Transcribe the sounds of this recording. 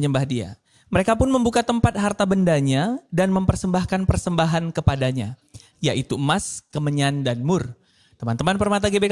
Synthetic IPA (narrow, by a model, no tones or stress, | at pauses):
ɲəmbahdia̰ | məɾekapʊnməmbukat̪əmpat̪̚ɦart̪abəndaɲadanməmpərsəmbahkanpərsəmbaɦankəpadaɲa | jaʔit̪umaskəməɲandanmʊr | t̪əmant̪əmanpərmat̪aɡebek